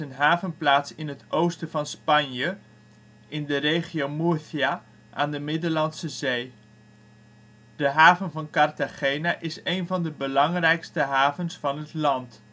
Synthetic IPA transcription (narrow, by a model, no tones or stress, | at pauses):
ənɦaːvənplaːtsɪnətʔowstəvɑnspɑnjə | ʔɪndərejχiowmusia | ʔaːndəmɪdəlɑnsəzej | d̥əɦaːvənvɑnkɑrtaχejnaʔɪsejnvɑndəbəlɑŋrɛjkstəɦaːvənsfɑnɦətlɑnt